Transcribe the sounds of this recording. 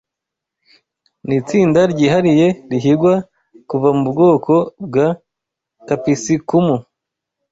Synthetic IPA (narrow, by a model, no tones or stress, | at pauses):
nit͡siːndaɾɟiːɦaɾije̞ɾiɦiɾɡwa | kuvamubɡo̞ːko̞b̚ɡa | kapisikumu